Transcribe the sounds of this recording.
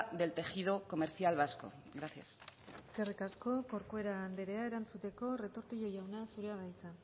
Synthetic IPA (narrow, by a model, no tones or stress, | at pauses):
ðe̞lt̪e̞xið̞o̞ko̞me̞ɾθjalβ̞asko̞̰ | ɣɾaθja̰sserekasko̞ko̞ɾkoe̞ɾaːnd̪eɾe̞ae̞ɾant͡sut̪e̞ko̞re̞t̪o̞ɾt̪iʝo̞jawnasuɾe̞aðajt͡sa